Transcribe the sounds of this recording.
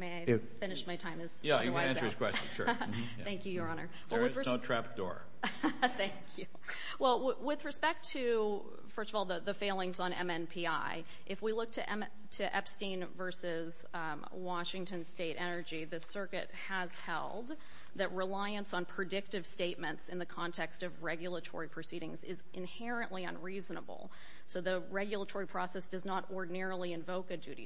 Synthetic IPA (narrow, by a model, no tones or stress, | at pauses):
meɪaɪfɪ̃nɨʃmaɪtʰãɪ̃mɨz̥jæjɨaɪæ̃nə˞ɨz̥kʰw̥ɛsnʃʊ̰ɹ | θæ̃ŋkʰjɨjə˞ɑnə̰˞ | wɛlˠwɨðɹɨotʰɹ̥æp̚d̥ɔ̰ɹ | θæ̃ŋkʰjʉ | wɛlˠwwɪðɹɨspɛk̚tʰɨ | fɜ˞stʌvɔlˠðəðɨfeɪlˠɪ̃ŋzn̩ɛ̰̃mɛ̃npʰiaɪ | ʔɨfwilʊk̚tʰɨʔɛ | tʰɨʔɛ̰pstĩnvɜ˞sɪz̥ | wɑʃɪ̃ŋtɨ̃nsteɪɾɛnə˞d͡ʒiðɨsɜ˞kɨ̰t̚həz̥hɛ̰lˠd̪̚ | ðɨt̚ɹɨlaɪɨ̃nsn̩pʰɹ̥ɨdɪk̚tɨv̥steɪt̚mɨ̃ntsɨ̃nðɨkʰɑ̃ntʰɛkstʌvɹɛɡjl̩ˠətʰɔ̰ɹipʰɹ̥ɨsiɾɪ̃ŋzɪzʔɨ̃nhɛɹɨ̃nʔliʌ̰̃nɹiznə̰bl̩ˠ | soʊðɨɹɛɡjl̩ˠətʰɔɹipʰɹ̥ɔsɛsd̥ʌznəɾɔɹdⁿn̩ɛɹl̩ˠiɨ̃ɱvoʊkɨdʉɾḭ